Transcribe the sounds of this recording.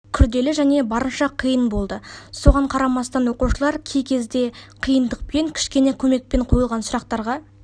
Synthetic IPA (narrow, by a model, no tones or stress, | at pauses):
kʲʰʏɾd̪e̞lɪʒæne̞bɑɾənʃɑqʰəjənbo̞lˠd̪əso̞ʁɑɴqʰɑɾɑmɑst̪ɑnwo̞quʃəlˠɑɾkʲʰe̞jkʲʰe̞zd̪e̞qʰijənd̪əq̚pe̞ŋkʲʰɪ̥ʃkʲe̞ne̞kʲʰɵme̞k̚pe̞ɴqʰojəlˠʁɑnsʊɾɑqt̪ɑɾʁɑ